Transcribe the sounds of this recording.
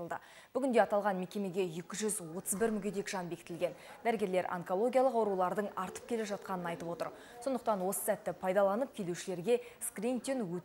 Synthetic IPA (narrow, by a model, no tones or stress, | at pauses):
əlˠd̪ə̰ | b̥ʏɡʲɪnd̪e̞ɑt̪ɑlˠʁɑnme̞kʲe̞me̞ɡʲe̞je̞kʲɪʒʏzwo̞t̪əzbɪɾmʏɡʲed̪e̞kʒ̥ɑnbekʲɪt̪ɪlɡʲe̞nd̪æɾɡʲe̞ɾle̞ɾʔa̰ŋko̞lˠo̞ɡʲijɑlˠəqɑwɾulˠɑɾd̪əɴɑɾt̪ə̥p̚kʲʰe̞leʒɑt̪̚qɑnənɑjt̪əpwo̞t̪ə̰ɾ | so̞nd̪əq̚t̪ɑnwo̞sə̥sæt̪ːɪpʰɑjd̪ɑlˠɑnəp̚kʲʰe̞luʃɪle̞ɾɡʲe̞ | skrʲint̪iŋwɵ